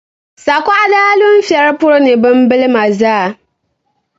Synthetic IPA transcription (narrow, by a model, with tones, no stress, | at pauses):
sa˨kɔ˦ʔa˨daː˦lʊ˦m̩˦fi˨ɛ˦ɾpʊ˦ɾo˦nɪ˨bɨ˦m˦bɨ˦lɪ˦ma˨zaː˦˨